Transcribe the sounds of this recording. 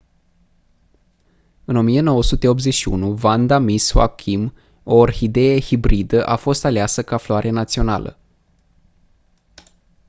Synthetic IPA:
ɨno̞mie̞no̞wəsut̪e̞o̞p̪ze̞ʃiṵnuvand̪amiswa̰kʰim | orhid̪e̞jehibɾid̪əʔafo̞st̪aleasəkafloaɾenat̪sio̞na̰lə̰

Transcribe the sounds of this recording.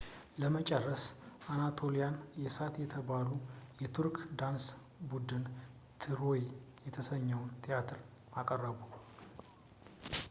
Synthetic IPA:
ləmət͡ʃʼərːəsʔanat̪ʰo̞lijanjɛsat̪jɛt̪ʰəβalujɛt̪ʰuɾkd̪ans | bud̪ɨn | t̪ʰɨɾojejɛt̪ʰəsəɲːɛwnt̪ʼʰijat̪ʰɨɾ | makʼərːəβu

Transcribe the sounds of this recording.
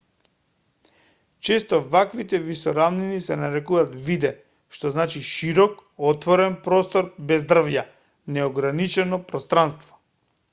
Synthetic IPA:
t͡ʃɛst̪ɔvakvit̪ɛvisɔɾamninisɛnaɾɛkuat̪vid̪ɛ | ʃt̪ɔznat͡ʃiʃiɾɔkɔt̪vɔɾɛnpɾɔst̪ɔɾbɛzd̪r̩vja | nɛɔɡɾanit͡ʃɛnɔpɾɔst̪ɾanst̪vɔ̥

